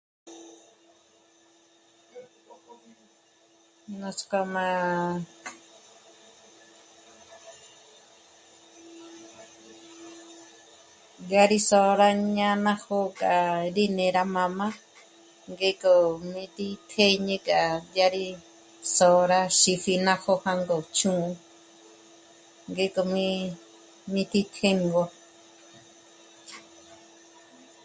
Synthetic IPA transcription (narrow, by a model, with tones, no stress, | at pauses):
nõ˧sko˧mã˧ | dja˧ɾi˦so˧ɾa˦ɲã˦nã˦ho˦kʼaʔɾi˦nẽ˧˨ɾa˧mã˧mã˦ | ŋɡe˦kʼo˨mĩ˧t̪i˦t̪ʰe˦ɲẽ˧˦kʼa˨d̪ja˧ɾi˦ | so˧ɾa˧ʃi˧fi˧nã˧ho˧hã˧ŋɡo˨t͡ʃũ˦˧ | ŋɡe˧˦ko˨mĩ˦ | mĩ˧t̪i˦t̪ʰe˦ŋɡo˧